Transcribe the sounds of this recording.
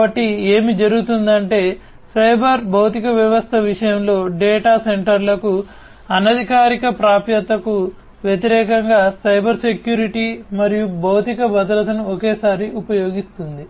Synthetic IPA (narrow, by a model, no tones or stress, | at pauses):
bɐʈːieːmid͡ʒɐɾuɡut̪und̪ɐɳʈe̞ː | sɐjbʱɐɾbɐwt̪ikɐʋjɐʋɐst̪ʰɐʋiʂɐjɐmlo̞ːɖeːʈaːse̞ɳʈɐɾlɐku | ɐnɐd̪ʱikaːɾikɐpɾaːpjɐt̪ɐku | ʋjet̪iɾɛːkɐŋɡaːsɐjbɐɾse̞kjuːɾiʈimɐɾijubɐwt̪ikɐbɐd̪ɐɾɐt̪ɐnuɔkeːsaːɾiupɐjo̞ːɡist̪und̪i